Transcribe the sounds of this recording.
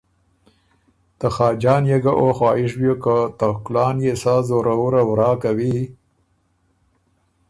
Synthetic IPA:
t̪əxɑːd͡ʒɑːnjeɡaʔoxwɑːɪʂ̬bjokat̪aklɑːnjesazoɾawuɾawɾɑːkawi

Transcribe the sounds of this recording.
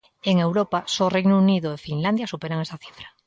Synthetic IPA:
eŋe̞wɾopasorejnouniðoefinland̪jasupe̞ɾaŋe̞st̪aθi̥fɾa

